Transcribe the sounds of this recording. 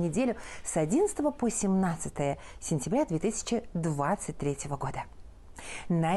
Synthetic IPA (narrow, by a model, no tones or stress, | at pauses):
nʲɪdʲelʲʊsɐdʲinət̪st̪əvəposʲɪmnat̪sɨt̪əjəsʲɪnʲtʲɪbɾʲad̪vʲet̪ɨsʲɪ̥t͡ɕɪd̪vat̪sɨt̚ʲt̪ɾʲetʲjɪvəɡo̞d̪ə | nɐ